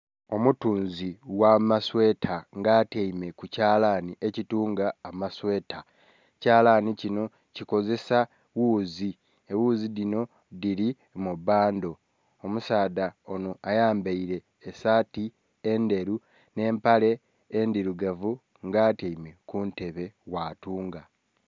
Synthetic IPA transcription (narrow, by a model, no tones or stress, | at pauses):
o̞mutuːnziwamaswe̞ːtʰaŋɡaːteime̞kucaːlaniʔecituːŋɡaːmaswe̞ːta | caːlanicino̞ | ciko̞ze̞sa | wuːzi | ewuːzidino̞ | diɾi | mubaːndo̞ | omusaːdaono̞ajaːmbeiɾe̞ːsaːti | ende̞ɾu | ne̞ːmpale̞ː | ndiɾuɡavu | ŋɡaːteime̞kunte̞βe̞waːtuːŋɡa